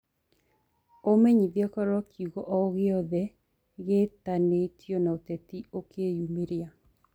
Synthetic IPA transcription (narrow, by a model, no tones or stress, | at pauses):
omeɲiðjɔkɔɾwɔkʰiuɣoʔɔɣɪɔðɛ | ɣetanetʰjonaot̪ɛt̪iokʰejumeɾja